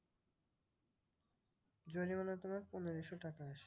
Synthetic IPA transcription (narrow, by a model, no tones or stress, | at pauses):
d͡ʑonimanat̪omaɾponeɾiʃoʈakaaʃe̥